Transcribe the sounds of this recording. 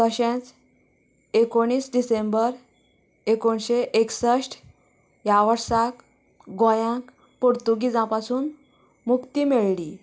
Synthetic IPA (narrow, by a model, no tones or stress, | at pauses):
t̪əɕẽt͡s | ekoɽ̃iːsɖisembəɾ | ekoɳɕeʔeksəɕʈ | jaʋəɾsak | ɡõjãk | poɾt̪uɡid͡zãpasuːn | mukt̪iːmeɭli